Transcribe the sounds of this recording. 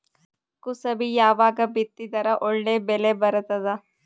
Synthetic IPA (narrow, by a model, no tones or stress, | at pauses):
kusɐbʱijaːʋaːɡɐbit̪ːit̪ɐɾaʔoɭnebelebɐɾɐt̪ɐd̪a